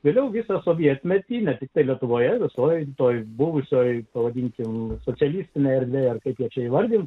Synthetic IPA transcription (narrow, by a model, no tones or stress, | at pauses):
ʋʲeːlʲɛʊʋʲisɑsoːʋʲiɛt̪ʲmʲɛt̪ʲiːnʲɛt̪ʲɪk̚t̪ɐɪlʲiɛt̪ʊʋoːjɛʋʲɪsoːjt̪oːjbʊʋʊsʲoːjpɐʋɐd̪ʲiːŋʲkʲɪmsoːt͡s̪ʲsʲɛlʲiːsʲt̪ʲɪnʲeːɛɾʲd̪ʲʋʲeːjɐrkɐɪpjiɛt͡ʃʲɛiːʋɐrʲd̪ʲɪnt̪